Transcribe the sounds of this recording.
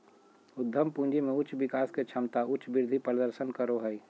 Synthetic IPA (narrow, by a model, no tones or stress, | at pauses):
ʊd̪ʱːəmpũːnd͡ʒimẽʊt͡ʃʋɪkaːsket͡ʃʰɐmt̪aʊt͡ʃbɪɾd̪ʱipɾəd̪əɾsənkəɾoɦəi